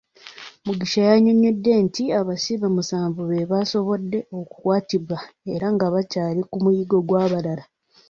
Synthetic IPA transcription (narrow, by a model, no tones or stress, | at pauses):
muɡiʃajaɲoɲedːe̞ntiaβasiβamusaːɱvuβeβaso̞βo̞dːe̞o̞ku̥kwaːtiβwae̞ɾaŋɡaβacaːɾikumujiɡo̞ɡwaːβaɾaɾa